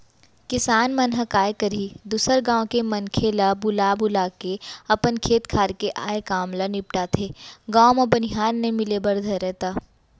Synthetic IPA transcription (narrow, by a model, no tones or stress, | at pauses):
kɪsaːnmɐnɦəkaːekɐɾid̪uːsəɾɡãːw̃kemɐnkʰeːlabʊlaːbʊlaːkeɐpənkʰeːt̪kʰaːɾkeʔaːekaːmlanɪp̚ʈat̪ʰeːɡãːomobɐnɪɦaːnːemɪlebɐɾd̪ʱəɾɛɦt̪aː